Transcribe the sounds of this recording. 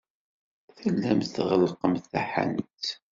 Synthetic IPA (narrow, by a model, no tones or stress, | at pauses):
θəlːæmt̪θʁəlqəmθæħa̰nt̪